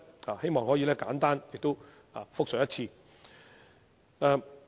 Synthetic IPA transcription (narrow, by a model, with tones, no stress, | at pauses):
aː˨he˥jmɔː˨ŋɦɔː˨˥jiː˨˧lɛː˥kaː˨˥nt̪aː˥njɪ˨k̚t̪o˥w | aː˨fʊ˥k̚sœ˨jɐ˥t̚t͡sʰiː˧ | ɛ˧